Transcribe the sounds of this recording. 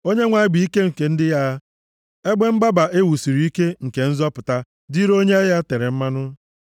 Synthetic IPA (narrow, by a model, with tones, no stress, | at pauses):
o˦ɲe˦ŋʷa˨ɪ˦ɡ͡bi˨i˦ke˦ŋ̩˨ke˨n̩˦dɪ˦ja˦ | e˦ɡ͡be˦m̩˦ba˦ba˨ʔe˦wu˨si˨ɾi˨˦i˦ke˦ŋ̩˨ke˨n̩˦zɔ˦pʊ˨ta˦ | di˦ɾo˦ɲe˦a˦ja˦te˨ɾe˨m̩˦ma˦nʊ˦